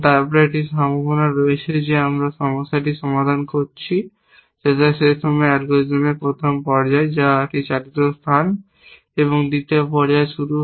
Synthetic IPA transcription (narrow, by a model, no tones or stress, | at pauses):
t̪apɾaʈiʃɔmbʱobonaɾoet͡ɕʰed͡ʑeamɾaʃɔmosːaʈ̬iʃɔmad̪ʱankoɾt͡ɕʰi | ʃetaʃet̪ʰomeaɾɡod͡ʑomepɾot̪ʰompɔɾd͡ʑaed͡ʑaʈit͡ɕalit̪ost̪ʰan | eβoŋd̪it̪epɔɾd͡ʑaeʃuɾu